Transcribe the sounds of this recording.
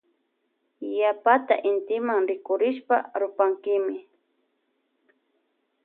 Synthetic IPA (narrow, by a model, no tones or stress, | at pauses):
japat̪a̰ʔɪnt̪ɪmaŋɾɪkʊɾɪʃpaɾʊpaŋkɪmɪ